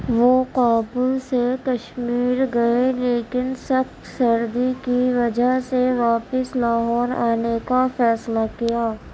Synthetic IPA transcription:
ʋoqaːbulsekɐʃmiːɾɡɐeleːkɪnsɐxt̪sɐɾd̪ikiʋɐd͡ʒəɦseʋaːpɪslaːɦɔːɾa̰ːnekafɛːslakijaː

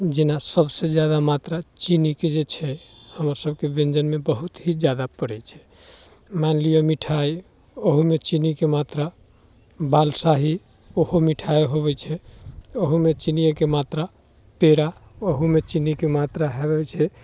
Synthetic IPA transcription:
d͡ʒenasəbsed͡ʒjad̪amat̪ɾat͡ʃiniked͡ʒet͡ʃʰɛhəmɾasəb̚kebẽnd͡ʒənmebəɦut̪ɦid͡ʒjad̪apəɽɛt͡ʃʰɛ̥ | manlijəmiʈʰaj | oɦumet͡ʃinikemat̪ɾa | balsaɦi | ohomiʈʰajɦoβɛt͡ʃʰɛoɦumet͡ʃinijəkemat̪ɾa | peɾaoɦumet͡ʃinikemat̪ɾaɦeβɛt͡ʃʰɛ

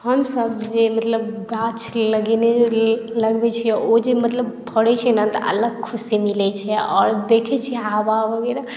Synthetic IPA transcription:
həmsəbd͡ʒemət̪ləbɡat͡ʃʰləɡɛneləɡbɛt͡ʃʰiod͡ʒemət̪ləbbʱəɽɛt͡ʃʰɛnət̪əʔə̰ləɡ̚kʰusimilɛt͡ʃʰɛɔ̰ːɾd̪ekʰɛt͡ʃʰiababʱəɡɛɾa

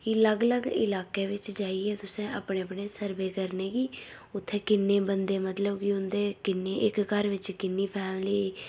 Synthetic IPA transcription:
kiːləɡləɡɪ̰laːkeːʋɪt͡ʃd͡ʒaːiɛːt̪ʊsẽːəpɳeːəpɳeːsəɾʋeːkəɾneːɡiː | ʊt̪ʰːeːkɪnːeːbənd̪eːmət̪ləbkɪʊnd̪eːkɪnːeːʔɪkkəɾʋɪt͡ʃkɪnːiːpʰɛːɽləː

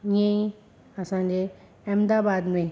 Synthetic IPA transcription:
ĩẽĩ | ɐsãd͡ʑe | ɛmd̪aːbaːd̪mẽ

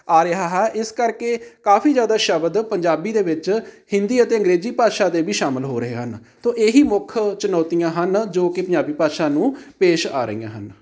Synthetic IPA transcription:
aːɾɪɦaːɦɛːʔɪskəɾkeːkaːfiːzjaːd̪aːʃəbd̪pəɲd͡ʒaːbiːd̪eːʋɪt͡ʃhɪ̃nd̪iːət̪eːə̃ŋɡɾeːziːpaːd̪ʃaːd̪eːbiːʃaːməlɦoːɾəɦeːɦənt̪oːʔeːɦiːmʊkʰt͡ʃənɔːt̪ijãːɦənd͡ʒoːkɪpəɲd͡ʒaːbiːpaːd̪ʃaːnũːpeːʃaːɾə̰ḭjã̰ːɦən

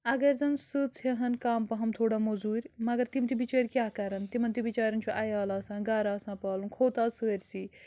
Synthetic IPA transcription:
ɐɡɐɾʲzɐnsɨt͡sʰeɦɐnkaːmpɐɦɐmt̪ʰoːɽamozuːɾʲmɐɡɐɾt̪imt̪ibit͡ʃɐːɾʲkjaːkɐɾɐnt̪imɐnt̪ibit͡ʃaːɾɐnt͡ʃʰoʔɐjaːlaːsãːnɡaːɾaːsãːpaːlunkʰoːt̪aːsəːɾʲsi

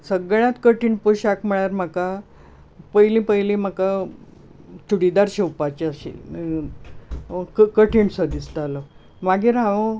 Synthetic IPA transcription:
səɡɭjãt̪kəʈʰiɳpoɕakməɭjaɾmaka | pəjlĩpəjlĩm̤aka | t͡ɕuɽid̪aɾɕewpat͡ɕaɕḭ | kkəʈʰiɳsəd̪ist̪alə | maɡiɾaʋə̃

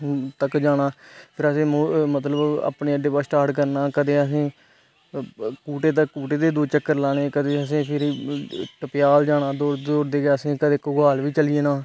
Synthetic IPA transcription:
t̪əkd͡ʒaːɽaːpʰɪɾəsẽːmomət̪ləba̰ːpneːəɖepaːsʈaːɾʈkəɾnaːkəd̪eːəs̬ẽː | kuːʈeːt̪̬akuːʈeːd̪eːd̪oːt͡ʃəkːəɾlaːɽeːkəd̪eːəsẽːpʰɪɾ | ʈəpɪjaːld͡ʒaːɽaːd̪oːɾdoːɾd̪eːɡəsẽːkəd̪eːkoɡaːlʋiːt͡ʃəlɪeːnaː

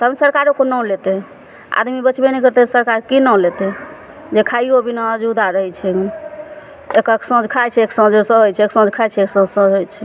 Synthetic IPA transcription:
t̪ɦəbsəɾkaɾokonɔ̃let̪ɛ | a̰d̪mibət͡ʃʰbenɛkəɾt̪esəɾkaɾkinɔ̃let̪ɛ | d͡ʒekʰaiobinad͡ʒud̪aɾəɦɛt͡ʃʰɛ | ekəksə̃d͡ʒkʰajt͡ʃʰɛeksə̃d͡ʒsə̃ɦojt͡ʃʰɛeksə̃d͡ʒkʰajt͡ʃʰɛeksə̃d͡ʒsə̃ɦojt͡ʃʰɛ

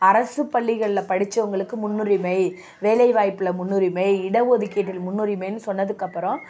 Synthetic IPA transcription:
ɐɾɐsɯpːɐɭːɪɣɐɭɪlɐpɐɽɪt͡ʃːɐʋʊŋɡɐɭɯkːɯmʊnːʊɾimɐɪ | ʋeːlɐɪʋaːjpːɯlɐmʊnːʊɾɪmɐɪɪɽɐʋoːðɪkːeɐʈːɪlmʊnːʊɾimɐɪnːɯsɔnːɐðɯkːɐpːɯɾɔ̃

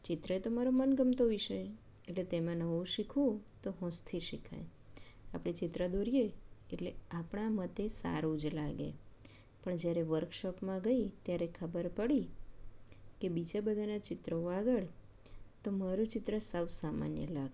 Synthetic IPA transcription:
t͡ʃɪt̪ɾəet̪omaɾomənɡəmt̪oʋɪʃəj | eʈlet̪emãnəʋũʃikʰʋũt̪oɦɔ̃st̪ʰiʃikʰa̰j | apɽ̃it͡ʃɪt̪ɾəd̪oɾijeeʈleapɳ̃amət̪esa̰ɾũd͡ʒlaɡḛ | pəɳd͡ʒjaɾeʋəɾkʃɔpmãɡəit̪jaɾekʰəbəɾpəɽi | kebid͡ʒabəd̪ʱanat͡ʃɪt̪ɾəoaɡəɭ | t̪omaɾũt͡ʃɪt̪ɾəsəʋsama̰njə̰laɡ

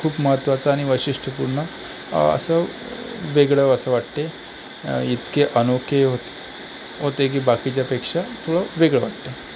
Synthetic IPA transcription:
kʰuːpməɦət̪ːʋat͡saːɽ̃iʋəɕiʂʈʰəpuɾɳə | ə̰sə | ʋeɡɭəəsəʋaʈt̪e | it̪keʔənokeɦot̪e̥ | ɦot̪ek̬iːbakit͡ɕjapekʂat̪ʰoɭəʋeɡɭəʋaʈt̪e

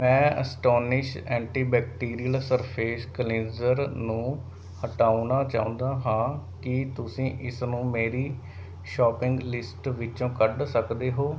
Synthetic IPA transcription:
mɛ̃ːəsʈɔːnɪʃɛːɳʈiːbɛːk̚ʈiːɾijəlsəɾpʰeːskəleːzəɾnũː | həʈaːunaːt͡ʃaːũːnd̪aːɦãːkɪt̪ʊsĩːʔɪsnũːmeːɾiː | ʃɔːpɪ̃ŋɡlɪsʈʋɪt͡ʃõːkəɖsəkd̪eːɦoː

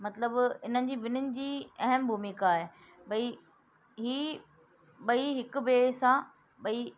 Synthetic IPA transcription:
mɐt̪ləbɪn̤ənɪ̆d͡ʑiːbɪnənɪ̆d͡ʑiːɐɦəmbʱumɪkaːɦe | ɓɐi | ɦiː | ɓɐiɦɪkʊ̆beːsã | ɓɐi

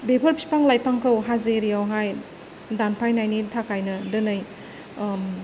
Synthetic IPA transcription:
bepʰəɾpʰi̥paŋlajpaŋkʰawɦazeɾijawɦaj | danpʰajnajnitʰakajnɐdɯnɯj

